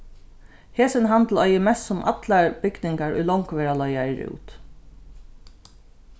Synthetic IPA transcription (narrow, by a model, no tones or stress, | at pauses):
heːsənɦand̪lɔjəmɛst̪sʊmʔa̰t̪laɹb̥ʏɡnɪŋkaɹʊ̰jlɔŋkʋɛːɹalɔʏaɹʉ̰ːt̪